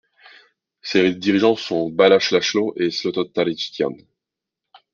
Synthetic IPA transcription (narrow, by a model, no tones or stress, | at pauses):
sed̪iʁiʒɑ̃sɔ̃balaʃlaʃloʔeslɔt̪ɔt̪ːaɾit͡ʃi̥t̪ja̰n